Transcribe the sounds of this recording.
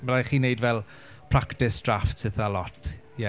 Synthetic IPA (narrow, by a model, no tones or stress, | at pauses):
məɾajχiːnejdvɛlˠ | pʰr̥aktɪsd̥raftsɪθalɔtʰ | jɛ